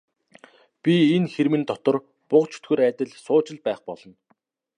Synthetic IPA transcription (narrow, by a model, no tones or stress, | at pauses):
pʲienxeɾmɘ̆nt̪ɔt̪ɞ̆r | pʊqt͡ɕʰu̥t̪ɡŭːɾæːt̪ʲə̆ɮsʊːt͡ɕɪ̆ɮpæːχpɔɮɞ̆n